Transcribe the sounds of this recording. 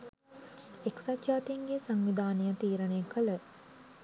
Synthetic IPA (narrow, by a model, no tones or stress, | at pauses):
eksat̪jaːt̪iŋɡesaŋʋid̪ʱaːnijət̪iːɾənejkʰələ